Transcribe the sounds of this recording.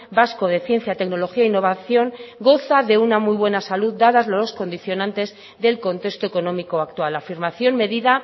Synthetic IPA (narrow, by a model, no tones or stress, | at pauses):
basko̞ð̞e̞θje̞nθjat̪e̞kno̞lo̞xiainːo̞β̞aθjo̞ŋɡo̞θaðe̞unamujβwe̞nasaluðd̪aðazlalo̞sko̞nd̪iθjo̞nãnt̪e̞z | ðe̞lko̞nt̪e̞kst̪oeko̞nõ̞miko̞ak̚t̪walafiɾmaθjo̞nme̞ðiða